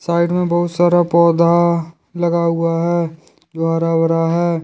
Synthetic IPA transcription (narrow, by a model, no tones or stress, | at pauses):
saːɪɖmẽbɐɦʊt̪saːɾapɔːd̪ʱa | lɐɡaɦʊaɦɛ | d͡ʒoːɦɐɾaːwɾaɦɛː